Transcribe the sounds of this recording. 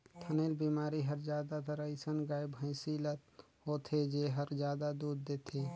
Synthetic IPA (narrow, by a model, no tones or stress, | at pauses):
t̪ʰəneːlbiːmaːɾiɦəɾd͡ʒjaːd̪at̪əɾəisənɡaːjbʱə̃ɪsilət̪ | ɦoːt̪ʰed͡ʒeɦəɾd͡ʒjaːd̪ad̪uːd̪ːeːt̪ʰeː